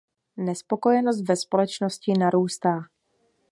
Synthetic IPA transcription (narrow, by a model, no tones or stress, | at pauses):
nɛspo̞ko̞jɛnos̬t̪vɛspo̞lɛt͡ʃnoscɪnaɾuːst̪aː